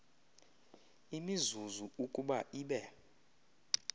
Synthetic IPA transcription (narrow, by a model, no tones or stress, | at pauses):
imizuzuukʼuɓaʔiːɓɛ